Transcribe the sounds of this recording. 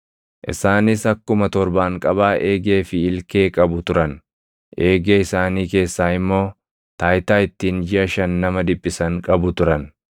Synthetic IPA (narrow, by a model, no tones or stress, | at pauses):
ʔɪ̰saːnɪsɐkːʊmɐt̪ɔɾbaːŋkʼɐbaːʔeːɡe̞ːfɪɪlke̞ːkʼɐbʊt̪ʊɾɐn | ʔe̞ːɡeːɪsaːniːke̞ːsːaːɪmːo̞ː | t̪aːjt̪aːɪt̪ːiːnd͡ʒɪʔɐʃɐnːɐmɐd̪ɪpʼːɪsɐŋkʼɐbʊt̪ʊɾɐn